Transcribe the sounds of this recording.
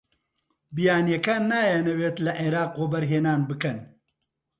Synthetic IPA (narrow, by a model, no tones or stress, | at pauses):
bijaːnjɐkaːnːaːjanɐweːt̪lɐʔeɾaːqwobɐɾɦeːnaːnbɨkɐn